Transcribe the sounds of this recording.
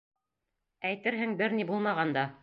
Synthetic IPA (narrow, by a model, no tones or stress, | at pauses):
æjt̪ɘɾɦɘŋbɘɾnibulˠmɑʁɑnd̪ɑ